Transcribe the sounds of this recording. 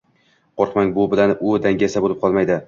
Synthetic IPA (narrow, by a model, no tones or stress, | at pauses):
qʰoɾqmaŋbʊbɪlanʔʊd̪aŋɡʲasabolɪp̚qʰɒlˠmajd̪ɪ